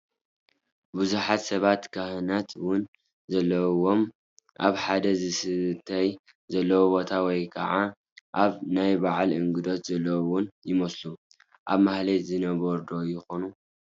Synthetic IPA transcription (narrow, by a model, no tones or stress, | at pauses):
buzuħat̪sɐβat̪kʰahɨnat̪wʊn | zɐlːɐwo̞m | ʔaβħad̪ɐzɨsɨt̪ʰaj | zɐlːɐwobo̞t̪ʰawɔjkʰɐ̰ʕa | ʔaβnajbaʕalʔɨŋɡɨd̪o̞t̪zɐlːɐwwʊnjɪmɐslu | ʔaβmahlezɨnɐβɐɾd̪o̞jɪxo̞nu